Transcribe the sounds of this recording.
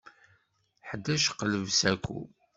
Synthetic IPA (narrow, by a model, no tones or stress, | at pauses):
ħəd̪ːæʃqələvsækʷːṵ